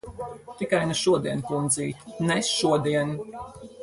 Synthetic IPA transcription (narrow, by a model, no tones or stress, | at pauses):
t̪ikajnuʃuɔd̪iɛnkund̪ziːt̪ʲnɛsʃuɔd̪iɛn